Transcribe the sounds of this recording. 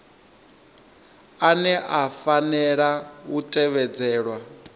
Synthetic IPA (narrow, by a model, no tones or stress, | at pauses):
anɛʔafanɛɺawutʼɛβɛd͡zɛːɺwa